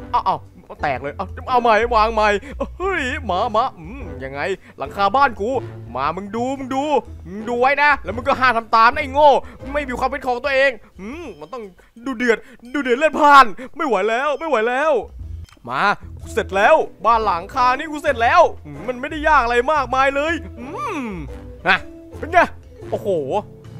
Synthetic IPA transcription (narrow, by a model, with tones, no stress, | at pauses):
ʔa˧˩ʔa˧˩w | ma˧˩t̪ɛ̰ː˨˩k̚lɤː˧jʔa˧˩ʔa˧wma˧˩jwaː˧ŋma˧jʔɯ˦˥jmaː˨˧˥maː˦˥ɯ˧˥ja˧ŋːa˧j | la̰˩˦ŋkʰaː˧baː˥˩nkuː˧˥ma̰ː˧˩mɯ˧ŋduː˧mɯ˧ŋduː˧mɯ˧ŋduː˧wa˦˥jna˦˥lɛː˦˥m˧ŋkɔː˥˩ɦaː˥˩t̪ʰa˧mt̪aː˧mna˥˩jŋoː˥˩˧ma˥˩jmiː˧kwaː˧pʰi˦˥t̪̚kʰɔː˨˦ŋt̪u˧əʔeː˧ŋ | mɯː˧˩ma˧nt̪ɔ˥˩ŋ | duː˧dɯ˨ət̪̚duː˧dɯ˨˩ət̚lɯ˥˩pʰaː˥˩nma˥˩jwa˨˦jlɛː˦˥wma˥˩jwa˨˦jlɛː˦˥˩wmaː˧kuː˧˥se˨˩t̪̚lɛː˦˥wbaː˥˩nla˩˦ŋkʰaː˧niː˦˥˩kuː˧˩se˨˩t̪̚lɛː˦˥wʔɯ˧˩ma˧˥˩nma˥˩jda˥˩jːaː˥˩k̚a˧ɾa˧jmaː˥˩k̚maː˧jlɤː˧jʔɯː˧˩ | ʔa˧˩ | pe˧nka˧˩ | ʔoː˧˩hoː˨˩˦